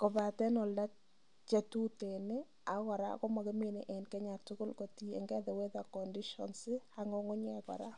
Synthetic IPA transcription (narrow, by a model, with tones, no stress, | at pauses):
kɔ˨ba˨tɛ˦nɔ˨lda˦ | t͡ʃa˦tu˦te˨nɪ˦ | a˨˦kɔ˨ɾa̰˦kɔ˦ma˨ke˦me˦ne˨ʔɛ˨nkɛ˦ɲa˨tʊ˦kʊ˦lko˨ti˦ɛ̰˨ŋɡɛ˦ðɛ˨we˦ða˨kɔ˨ndi˦ʃɔ̰˨nsɪ˦ha˦ŋɔ˦ŋʊ˦ɲɛ˦kɔ̰˨ɾa˦